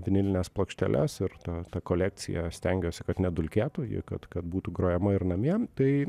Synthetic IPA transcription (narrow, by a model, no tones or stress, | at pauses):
ʋʲɪnʲɪlʲɪnʲeːsplˠoːkʃʲt̪ʲɛ̰lʲʔɛ̰sɪɾt̪ɐt̪ɐkoːlʲæːk̪̚t͡s̪ʲɪ̰jɛ̰sʲt̪ʲɛŋʲɡʲoːsʲɪkɐt̪nʲɛd̪ʊlʲkʲeːt̪uːjɪ̰kɐt̪kɐt̪̚buːt̪uːɡɾoːjɛmɐɪɾnɐmʲiɛt̪ɐɪ